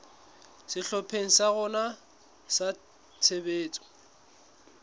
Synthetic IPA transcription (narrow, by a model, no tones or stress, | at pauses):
sɪɬɔpʰeŋ̩saɣʊna | sa | t͡sʰebeːt͡sʼɔ̥